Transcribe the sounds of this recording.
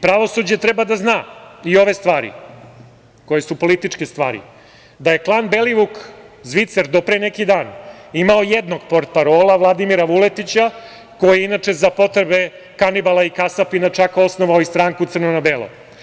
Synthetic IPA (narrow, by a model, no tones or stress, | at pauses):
pɾaʋo̞sud͡ʑe̞t̪ɾebad̪aznaːio̞ʋe̞st̪ʋaːɾḭ | ko̞je̞supo̞lit̪it͡ʂkest̪ʋa̰ːɾḭ | d̪aje̞klˠaːnbe̞liʋukzʋit̪seɾd̪o̞pɾenekid̪aːnimaojed̪no̞ɡpoɾt̪̚paɾoːlˠaʋlˠad̪imiɾaʋule̞t̪it͡ɕa | ko̞jieinat͡ʃe̞zapo̞t̪ɾebe̞ | kanibalˠaikasapinat͡ʃako̞sno̞ʋaoist̪ɾaːŋkut̪sɨrnonabeːlˠo̰